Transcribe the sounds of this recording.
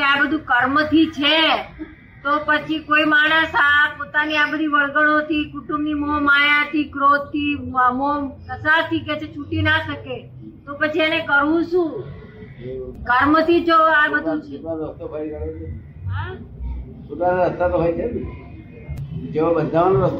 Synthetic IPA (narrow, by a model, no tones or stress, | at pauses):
keabəd̪ʱũkəɾmət̪ʰit͡ʃʰe | t̪opət͡ʃʰikoimaɽ̃əsapot̪aniabəd̪ʱiʋəɭɡəɽ̃ot̪ikuʈũmbnimomajãt̪ikɾot̪ːiamomnəsat̪ʰiket͡ʃʰet͡ʃʰuʈinaʃəke | t̪opət͡ʃʰienekəɾũʃũ | kəɾmət̪ʰit͡ʃʰoabəd̪ʱũt͡ʃt̪aəst̪obʱaɾkəɽt͡ʃe | ɦa | pot̪anəst̪ːat̪oɦait͡ʃʰebi | d͡ʒeʋabəd̪ʱaʋanoɾəst̪